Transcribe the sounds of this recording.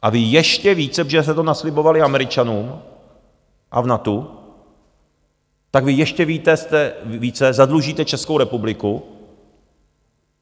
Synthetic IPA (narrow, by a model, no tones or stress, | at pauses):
ʔavɪjɛʃcɛviːt͡sɛʒɛsɛt̪onaslɪbo̞valɪamɛɾɪt͡ʃanuːm | ʔavnat̪u | t̪akvɪjɛʃcɛviːt̪ɛst̪ɛviːt͡sɛzadluʒiːt̪ɛt͡ʃɛskowɾɛpublɪku